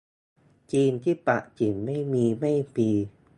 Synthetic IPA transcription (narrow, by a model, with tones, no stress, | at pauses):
t͡ɕiː˧nt̪ʰiː˥˩pa̰˨˩ʔt͡ɕi˨˩˦nma˥˩jmiː˧ma˥˩jpiː˧